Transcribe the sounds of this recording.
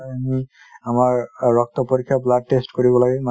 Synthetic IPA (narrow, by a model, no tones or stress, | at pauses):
ami | amaɹːɔk̚t̪ɔpoɹikʰːjaplad̚testkoɹibɔlaɡɛm